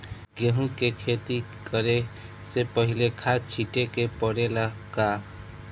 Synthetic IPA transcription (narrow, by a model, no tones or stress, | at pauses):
ɡeɦũkekʰet̪i | kəɾe | sepəɦilekʰat͡ʃʰiʈekepəɽelaka